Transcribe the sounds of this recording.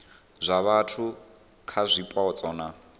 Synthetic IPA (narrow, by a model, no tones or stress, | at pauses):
zʷaβatʰu | kʰazʷipʼaɔt͡sʼɔːna